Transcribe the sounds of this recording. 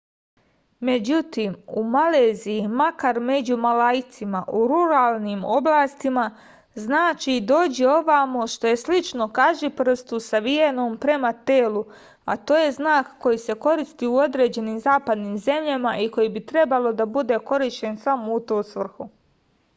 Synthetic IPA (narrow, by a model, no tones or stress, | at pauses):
me̞d͡ʑut̪imumaleːzijimakaɾme̞d͡ʑumalait̪simaʔuɾuɾaːlˠnimo̞blˠaːst̪ima | znaːt͡ʃid̪o̞ːd͡ʑeo̞ʋamoʃt̪o̞je̞slit͡ʃno̞kaʒipr̩st̪usaʋienoːmpɾe̞mat̪eːlu | a̰t̪o̞ːje̞znaːkːo̞jise̞ko̞ɾist̪iːuo̞d̪ɾe̞ːd͡ʑe̞niːmzaːpad̪niːmze̞mʎamaʔiko̞jibit̪ɾe̞balˠo̞d̪abud̪e̞ko̞ɾiʃt͡ɕe̞nsamout̪oːsʋr̩xu